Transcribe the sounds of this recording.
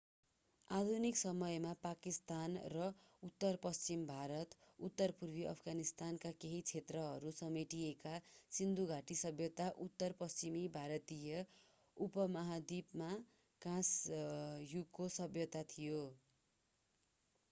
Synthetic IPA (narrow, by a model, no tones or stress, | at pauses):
ad̪ʱuniksʌmʌjmapakist̪anrʌ | ut̪ːʌrpʌst͡simbʱaɾʌt̪ut̪ːʌrpurbiʔʌ̰pʰɡanist̪ankakeɦit͡sʰet̪rʌɦʌɾusʌmiʈijekasind̪uɡʱaʈisʌbjʌt̪aʔut̪ːʌrpʌst͡simibʱaɾʌt̪ijʌ | upʌmʌɦad̪ibma | kãs | juɡkosʌbjʌt̪at̪ʰijo